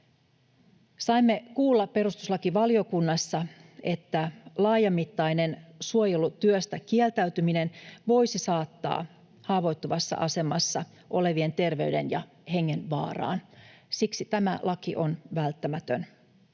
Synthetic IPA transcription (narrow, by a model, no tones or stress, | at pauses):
sɑimːe̞kuːlːɑpe̞rust̪uslɑkiʋɑlio̞kunːɑsːɑe̞t̪ːælɑːjɑmːit̪ːɑjne̞nsuojelut̪yøst̪ækielt̪æyt̪ymine̞nʋo̞jsisɑːt̪ːɑ̰ː | hɑːʋo̞jt̪ːoʋɑsːɑ̰ʔɑse̞mɑsːɑ | ʔo̞le̞ʋie̞nt̪e̞rʋe̞yɥde̞̰njɑ | he̞ŋːenʋɑ̰ːrɑ̰ːnsiksit̪æmælʔɑkiʔonʋælt̪ːæmæt̪øn